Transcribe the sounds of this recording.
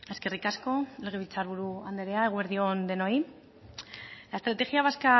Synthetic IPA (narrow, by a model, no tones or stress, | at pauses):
e̞ske̞rikasko̞eleɣ̞eβit͡saɾβuɾuand̪e̞ɾeaeɣweɾðiond̪e̞no̞j | laest̪ɾat̪e̞xiaβ̞aska